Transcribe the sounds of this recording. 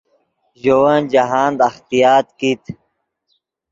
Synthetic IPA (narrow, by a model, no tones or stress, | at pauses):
ʑowɐnd͡ʑaɦaːnd̪ɐxt̪ijaːt̪kit̪